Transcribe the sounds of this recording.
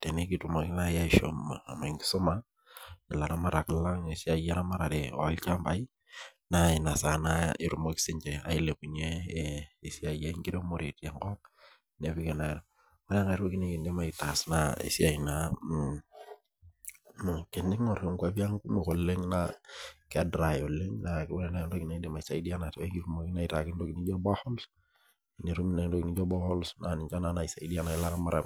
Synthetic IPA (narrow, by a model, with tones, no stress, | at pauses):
te˨ne˦ki˨tu˨mo˨ki˦na˦ja˦i˨ʃo̰˨m̰˨a˨ma˨ŋɡi˦so˦ma˦ | i˨la˨na˦ma˦ɾa˨kla˦ŋe˨si˦a˨ja˦na˦ma˦ɾa˨de˨˦lt͡ʃa˦mba˨i˦ | na˨i˨na˨sa˨na˦i˨ɾu˨mo˦ki̥˦si˦ɲt͡ʃe˨a̰˨i˦le˨ku˨ɲeː˦˨ | si˦a˨ja˦ŋɡi˦do˦mo˦ɾe˨te˨ŋkɔ˦ | ne˨˦pi˦ke˨na˨ɾo˨ | wa˦le˦ŋa˨ɾo˦ki˦ni˦ki˨nde˦ma˨i˨ta˨sna˨ḛ˨si˦a˨i˨na˨ | m˨ke˨ndi˦ŋo˨ɾe˨ŋka˦bi˦a˦ŋku˦me˨ko˨le˦ŋna˨ka˨dɾa˨jo˨le˦ŋna˨wo˦lɛ˨na˨ndo˦ki˨na˨˦de˦˨ma˨i˨sa˨i˦di˦a˦na˨tɡi˦ku˦mo˨kɪ˦na˦i˨ta˨kɪ˦ndo˦kɪ˨ni˦d͡ʒo˦ba˦hɔ˦ls | ne˨ɾu˦mi˦na˨˦do˦ki˨ni˦d͡ʒo˦bɔ˦hɔ˦lsna˨ni˨ɲt͡ʃa˦na˦na˨i˨sa˨idi˦a˦na˨i˦la˦ɾa˦ma˦ɾa̰˨m